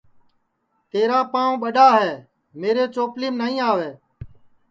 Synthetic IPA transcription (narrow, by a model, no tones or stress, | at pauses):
t̪eːɾaːpãːõɓəɗaːɦɛː | meːɾeːt͡ʃoːpliːmnəɦĩːaːʋeː